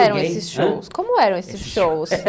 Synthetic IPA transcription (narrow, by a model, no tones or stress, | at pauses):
ɛɾɐ̃wesɪsʃowskõmʊɛɾɐ̃w̃esɪsʃows